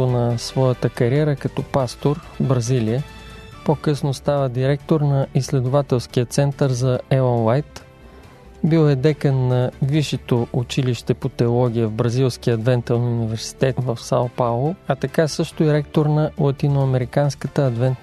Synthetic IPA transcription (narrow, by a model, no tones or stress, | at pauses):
onɐsvɔjət̪əkɐɾiɛɾəkɐt̪ɔpast̪oɾ | bɾɐziliə | pokɤsnost̪avəd̪iɾɛkt̪oɾnɐʔislɛd̪ʊvat̪ɛlˠsk̟iət̪sɛnt̪əɾzɐɛlˠənlajt̪ | bilˠɛd̪ɛkənːɐviʃɛt̪oʔʊt͡ʃiliʃt̪ɛpot̪ɛolˠɔɡ̟ʲijəvbɾɐzilˠsk̟ijəɐd̪vɛnt̪əlnʊnivɛɾsi̥t̪ɛt̪vɐfsa̰lˠpalˠoɐt̪ɐkasɤʃt̪ʊiɾɛk̚t̪oɾnɐlˠɐt̪inʊɐmɛɾikanskət̪əɐd̪vɛnt̪